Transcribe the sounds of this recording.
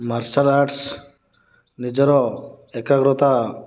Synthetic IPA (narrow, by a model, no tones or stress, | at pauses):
maɾsalaɾʈs | nid͡ʒɔɾɔɛkaɡɾɔt̪a